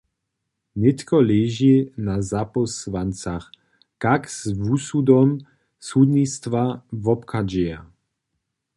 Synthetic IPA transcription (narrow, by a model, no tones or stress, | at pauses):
nɛt̪kɔlɛʒinazapɔsvant͡sax | kakzvusud̪ɔm | sud̪nist̪vavɔpkʰad͡ʒɛa